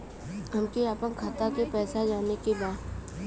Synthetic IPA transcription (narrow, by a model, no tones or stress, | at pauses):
ɦɐmkeaːpənkʰaːt̪akepɛːsad͡ʒaːnekebaːd̪